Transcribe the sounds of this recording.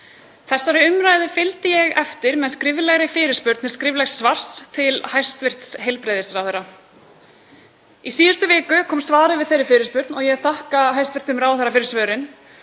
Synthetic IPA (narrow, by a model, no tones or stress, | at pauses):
θɛsːaɾɪʏmɾaːjðɪfɪlt̪ɪjɛɣɛft̪ɪɾmɛðskɾɪvlɛɣɾɪfɪːɾɪspʏɾt̪nɛ̥skɾɪvlɛxsːvar̥st̪ʰɪlhajst̪vɪr̥t̪sɦejlpɾejðɪsɾawθɛrːa | isiːðʏst̪ʏvɪːkʏkʰɔːmsvaːɾɪvɪðθejɾɪfɪːɾɪspʏɾt̪nɔɣjɛɣθahkaɦajst̪vɪ̥t̪ʏmɾaːwθɛɾːafɪɾɪɾ̥svœːɾɪn